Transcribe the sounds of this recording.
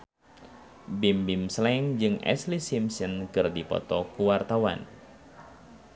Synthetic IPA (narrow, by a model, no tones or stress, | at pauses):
bimbimslɛŋd͡ʒɨŋɛ̰slisimsənkɨrdipɔ̰t̪ɔkuwart̪awa̰n